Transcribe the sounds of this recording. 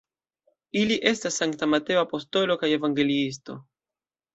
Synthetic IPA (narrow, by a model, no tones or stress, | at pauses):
iliʔe̞stasːaŋktamate̞oapo̞sto̞lo̞kaje̞vaŋɡe̞liis̬to̞